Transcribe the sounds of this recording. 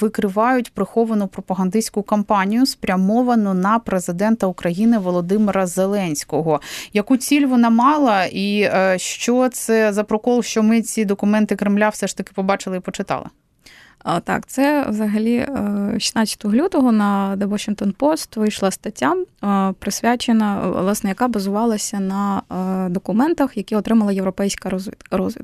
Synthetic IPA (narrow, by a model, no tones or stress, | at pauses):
ʋɪkɾɪʋɑjʊtʲpɾɪxɔʋɐnʊpɾɔpɐɦɐnd̪ɪsʲkʊkɐmpɑnʲijʊspɾʲɐmɔʋɐnʊnɐpɾezɪd̪ɛnt̪ɐukɾɐjinɪʋɔlˠɔd̪ɪmɪɾɐzelˠɛnʲsʲkɔɦɔjɐkut͡sʲilʲʋɔnɑmɑlˠɐiʃt͡ʃɔt̪sɛzɐpɾɔkɔlˠʃt͡ʃɔmɪt͡sʲid̪ɔkʊmɛnt̪ɪkɾɪmlʲawsɛʂt̪ɐkɪ̥pɔbɑt͡ʃɪlˠɪipɔt͡ʃɪt̪ɑ̰lˠɪ̰ | t̪ɑ̰kt̪sɛʋzɐɦɐlʲiʃʲi̥snɑt͡sʲsʲɐ̥t̪ʊɦlʲut̪ɔɦɔnɐd̪ɛʋɔʃɪnŋkt̪ɔnpɔst̪ʋɪjʃlˠɐst̪ɐtʲːampɾɪsʲʋʲat͡ʃenɐ̰lˠɑsnɛjɐkɑbɐzʊʋɑlˠɐsʲɐnɐd̪ɔkʊmɛnt̪ɐxjɐkʲiɔt̪ɾɪmɐlˠɐjewɾɔpɛjsʲkɐzʲrɔzʋʲḭt̪